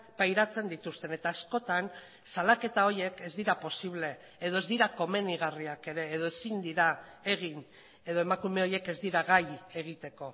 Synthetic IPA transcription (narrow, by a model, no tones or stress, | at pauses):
pajɾat͡se̞nd̪it̪ust̪e̞ne̞t̪aːsko̞t̪an | salake̞t̪ao̞ɾje̞ke̞zd̪iɾapo̞siβle̞ː | ð̞o̞e̞zd̪iɾako̞me̞niɣ̞ariake̞ɾe̞ːð̞o̞esind̪iɾae̞ɣ̞in | e̞ðoe̞makume̞o̞je̞ke̞zd̪iɾaɣaje̞ɣ̞it̪e̞ko̞